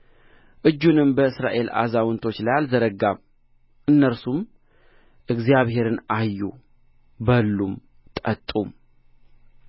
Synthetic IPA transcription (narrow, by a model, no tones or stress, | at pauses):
ʔɨd͡ʒːunɨmbəɨsɾa̰ʔe̞la̰zawɨnt̪ʰot͡ʃːlajalzəɾəɡam | ʔɨnːəɾsum | ʔɨɡzijaβhe̞ɾɨnajːu | bəlːum | t̪ʼət̪ʼum